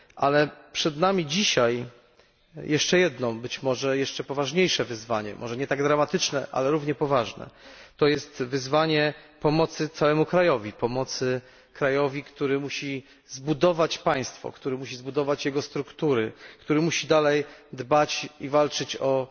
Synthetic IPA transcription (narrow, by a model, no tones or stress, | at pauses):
ʔalɛpʂɛd̪namʲid͡ʑiɕaj | jʔɛʂt͡ʂɛjɛd̪nɔ̃bɘt͡ɕmɔʐɛjɛʂt͡ʂɛpɔvaʐɲejʂɛvɘzvaɲɛ̰mʔɔʐɛɲɛt̪aɡd̪ɾamat̪ɘt͡ʂnɛʔa̰lɛɾuvɲɛpɔvaʐnɛ̰t̪ɔjɛst̪vɘzvaɲɛpɔmɔt̪sɘt̪sawɛmukɾajɔvʲipɔmɔt̪sɘ | kɾajɔvʲikt̪uɾɘmuɕi | zbud̪ɔvat͡ɕpaj̃st̪fɔ̰kt̪uɾɘmuɕizbud̪ɔvat͡ɕjɛɡɔst̪ɾukt̪uɾɘkt̪uɾɘmuɕid̪alɛjd̪bat͡ɕivalt͡ʂɘt͡ɕɔ